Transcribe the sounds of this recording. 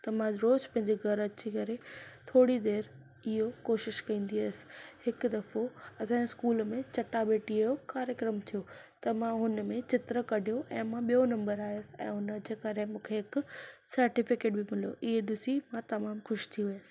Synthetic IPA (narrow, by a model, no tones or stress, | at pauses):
t̪ɐmãɾoːzpɐ̃ɦɪ̃ɲd͡ʑeɡʱɐɾɐt͡ɕikɐɾet̪ʰoːɽid̪eːɾ | ɪɦokoːʃɪʃkɐ̃ĩːn̆d̪iaːsɪ̥hɪkd̪ɐfoɐsãskuːlmẽt͡ɕɐʈabeːʈiɐjokaːɾjəkɾəmt̪ʰijo | t̪ɐmãɦʊnəmẽt͡ɕɪt̪ɾəkɐɖʱijoʔɛ̃ːmãɓijonɐ̃mbəɾaːijəsɪɛ̰̃ːɦʊnəd͡ʑeːkɐɾemũːkʰeɦɪksɐɾʈɪfɪkeːʈ̚bɪmɪl̤ijo̰ʔɪɦeɗʊsimãt̪ɐmaːmxʊʃt̪ʰiʋɪjəs